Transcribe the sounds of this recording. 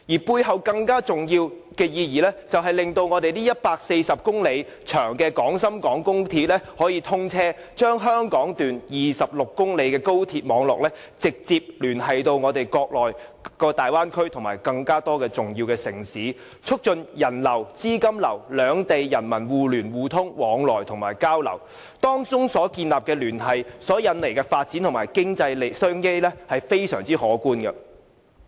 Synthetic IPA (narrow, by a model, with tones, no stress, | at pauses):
jiː˨˩puː˧jɦɐ˨wkɐ˧ŋkaː˥t͡sʊ˨ŋjiː˧wkɛː˧jiː˧jiː˨˩lɛː˥t͡sɐ˨wɦɐ˨jlɪ˨ŋt̪o˧wŋɔː˨˧t̪e˨jt̪iː˥jɐ˥t̚paː˧k̚se˧jsɐ˨p̚kʊ˥ŋle˨˧j | t͡ʃʰœː˨˩ŋkɛː˧kɔː˨˥ŋsɐ˥mkɔː˨˥ŋkʊ˥ŋt̪ʰiː˧t̚lɛː˥hɔː˨˥jiː˧t̪ʰʊ˥ŋt͡sʰɛː˥ | t͡ʃœː˥ŋɦœː˥ŋkɔː˨˥ŋt̪yː˨njiː˨˩sɐ˨p̚lʊ˨kːʊ˥ŋle˨˧jkɛː˧ko˥wt̪ʰiː˧t̚mɔː˨˧ŋlɔ̰˨k̚lɛː˥ | t͡sɪ˨k̚t͡siː˧p̚lyː˨˩nhɐ˨jt̪o˧wŋɔː˨˧t̪e˨jkɔː˧k̚lɔː˨jkɔː˧t̪aː˨jwaː˥nkʰɵ˥ɥt̪ʰʊ˨˩ŋmaː˨˩jkɐ˧ŋkaː˥t̪ɔː˥kɛː˧t͡sʊ˨ŋjiː˧wkɛː˧sɪ˨˩ŋsiː˨˥ | t͡ʃʰɵ˥k̚t͡ʃɵ˧njɐ˨˩nlɐ˨˩wt͡siː˥kɐ˥mlɐ̰˨˩wlœː˨˧ŋt̪e˨jjɐ˨˩nmɐ˨˩nwuː˨lyː˨˩nwuː˨˩t̪ʰʊ˥ŋwɔː˨˧˥ŋlɔː˨˩jt̪ʰʊ˨˩ŋmaː˨˩jkaː˥wlɐ̰˨˩w | t̪ɔː˥ŋt͡sʊ˥ŋsɔː˨˥kiː˧nlaː˨p̚kɛː˧lyː˨˩nɦɐ˨jsɔː˨˥jɐ˨˧nle˨˩jkɛː˧faː˧t̚t͡siː˨˥nt̪ʰʊ˨˩maː˨˩jkɪ˥ŋt͡sɐ˧jle˨˧jsœː˥ŋke˥jlɛː˥hɐ˨jfe˥jsœː˨˩ŋt͡siː˥hɔː˨˥kuː˥nɡɐ˧